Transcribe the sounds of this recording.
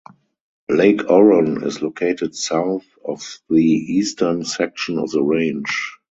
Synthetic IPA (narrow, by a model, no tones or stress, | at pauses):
leɪkʰɔɹə̃nɪ̰slokʰeɪtɪtsaʊθ | ɔfðiiːstʰə˞nsɛk̚ʃɔ̃nɔ̰fðəɹẽɪ̃nd͡ʒ